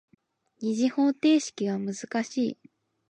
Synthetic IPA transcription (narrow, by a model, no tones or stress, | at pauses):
ɲiʑiho̞ːt̪e̞ːɕi̥kʲiɡamɯ̟zɨkaɕiː